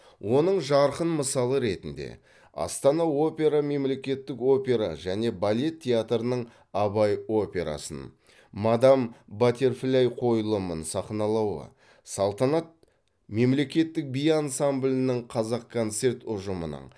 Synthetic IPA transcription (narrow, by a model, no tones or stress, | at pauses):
wʔo̞nəɴʒɑɾqənməsɑlˠəɾe̞t̪ɪnd̪e̞̰ | ɑ̰st̪ɑnɑo̞pʲe̞ɾame̞mle̞kʲe̞t̪ːɪko̞pʲe̞ɾa̰ʒæne̞balʲe̞t̪ʰʲːejat̪ɾənəɴ | ɑbɑjo̞pʲe̞ɾa̰sə̰n | mad̪ɑmbat̪ʲe̞rflʲajqʰo̞jlˠəmənsɑχnɑlˠɑwə̰ | sɑlˠt̪ɑnɑt̪̚ | me̞mle̞kʲe̞t̪ːɪk̚bijansamblʲɪnɪɴqʰɑzɑq̚kʰːo̞nt̪se̞rt̪ʊʒəmənə̰ɴ